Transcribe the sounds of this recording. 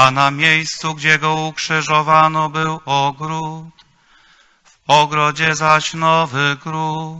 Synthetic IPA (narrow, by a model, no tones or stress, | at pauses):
anamʲjejst̪suɡd͡ʑɛɡɔukʂɘʐɔvanɔbɘwɔɡɾut̪ | vɔɡɾɔd͡ʑɛzaɕnɔvɘɡɾu